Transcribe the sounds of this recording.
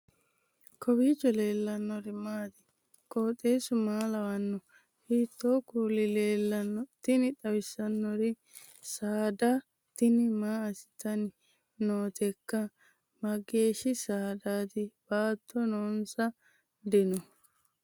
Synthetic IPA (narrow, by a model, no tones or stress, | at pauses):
kʰɔbiːt͡ʃːɔle̞ːlːɐnːɔɾɪmaːd̪ɪ | kʼoːt̪ʼːeːsʊmaːlɐwɐnːɔ | hiːt̪ːoːkuːlɪle̞ːlːɐnːɔt̪ɪnɪt̪ɐwɪsɐnːɔɾɪ | saːd̪ɐ | t̪ɪnɪmaːɐsɪ̥t̪ɐnɪ | noːt̪ɛkːɐ | mɐɡe̞ːʃɪsaːd̪aːd̪ɪb̥aːt̪ʰːɔnoːnsɐ | d̪ɛnɔ